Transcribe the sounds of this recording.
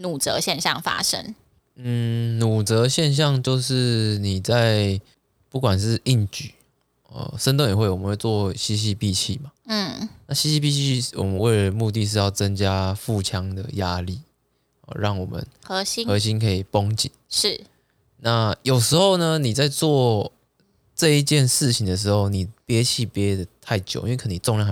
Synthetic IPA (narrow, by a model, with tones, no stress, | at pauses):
nu˨˩t͡sə̰˧˦ɕjɛ˥˧nɕjɑ̰˥˨ŋfa̰˥ʂə̰˦ŋ | n̩˥˨˩nu˨˩t͡sɤ˨˦ɕjɛ˥˧nɕ̬jɑ˥˧ŋt͡ɕjo˥˧ʊʂɻ̩˥˩ni˨˩t͡sa˥˧ɪ | pu˥˩kwa˨˩nʂɻ̩˥˧˨i˥˩nt͡ɕy˨˩˦ | ə̰˨˩ʂə˥˦nt̪ŋjɛ˨˩xwe˥˩ɪwɔ˨˩mə˦nxwe˥˧t͡swɔ˥˩ɕi˥ɕ̬i˥˧pi˥˧t͡ɕʰi˥˩ma˩n̩˥˩na˥˩ɕi˥ɕi˥˧pi˥˧t͡ɕʰii˥˧˥wɔ̰˨˩mə˨˦nwe˥˩ɪlə˩mu˥˧t̪̬i˥˧ʂ̬ɻ̩˥˧jɑ˥˩ʊt͡sə˦nt͡ɕja˦fu˥˨t͡ɕʰja˦ŋd̪ə̰˨ja˦li˥˩ | ə̰˨˩ɻɑ˥˩ŋwɔ˨˩mə̰˨nxɤ˧˦ɕi˥xɤ˧˦ɕ̬i˦nkʰə˧˥i˨˩po˦ŋt͡ɕḭ˨˩˦nʂɻ̩˥˩ | na˥˨jo˨˩ʊʂɻ̩˧˥xo˥˩ʊnə˨˧ni˨˩t͡sa˥˧ɪt͡swɔ˥˩ | ʈ͡ʂɤ˥˧i˧t͡ɕjɛ˥˧nʂɻ̩˥˩t͡ɕʰi˨ŋd̪ə˨ʂ̬ɻ̩˧˦xo˥˩ʊni˨˩pjɛ˦˥t͡ɕʰi˥˨pjɛ˦˥d̪ə˨t̪ʰa˥˩ɪt͡ɕjo˨˦i˥˧we˥kʰə˨˩˨ni˨˩t͡so˥˧ŋlja˥˩ŋ˨